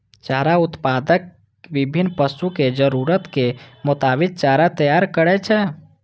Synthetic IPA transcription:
t͡ʃaːɾaʊt̪pad̪ək | ʋibʱinːpəsuked͡ʒəɾuɾət̪kemʊt̪abik̪̚t͡ʃaɾat̪əjaɾkəɾɛt͡ʃʰɛ

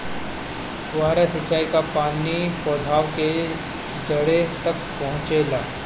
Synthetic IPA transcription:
ʋaːɾesɐt͡ʃːaːikapaːnipɔːd̪ʱaːʋke | d͡ʒəɽet̪ɐk̚pɐɦʊ̃t͡ʃelaː

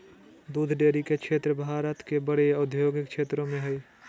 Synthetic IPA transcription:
d̪uːd̪ʱɖeːɾikekʰʃeːt̪ɾəbʱaːɾət̪kebəɽeʊd̪ʱjoːɡɪkʃʰeːt̪ɾõmẽɦɛi

